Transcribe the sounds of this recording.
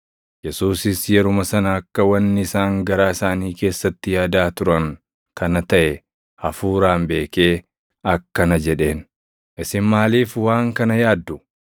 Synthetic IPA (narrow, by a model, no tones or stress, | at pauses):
jɛsuːsɪsjɛɾʊmɐsɐnɐɐkːɐwɐnːɪɪsaːŋɡɐɾaːɪsaːniːke̞ːsːɐt̪ːɪjaːd̪aːt̪ʊɾɐŋ | kʰɐnɐt̪ɐʔɛ | hɐfuːɾaːmbe̞ːke̞ː | ɐkːɐnɐd͡ʒɛᶑe̞ːn | ʔɪsɪmmaːliːfwaːŋkɐnɐjaːd̪ːʊ